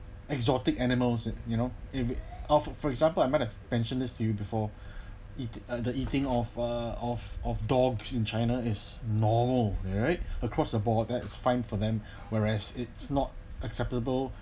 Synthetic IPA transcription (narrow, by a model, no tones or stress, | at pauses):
ɛkzɔtɪkɛnɪməlsɪtjunoɪfɔffɔɹɛɡzãmpəlaɪmaɪthɛvpɛ̃nʃə̃ndɪstʰujubifɔ | itdəitɪ̃ŋɔfəɔfɔfdɔɡsɪ̃nt͡ʃaɪnaɪsnɔməlɹaɪt̚əkʰɹɔsdəbɔt̚dɛtɪsfãɪ̃nfɔðɛ̃m | wɛɹɛsɪtsnɔt̚ʔəksɛp̚təbəl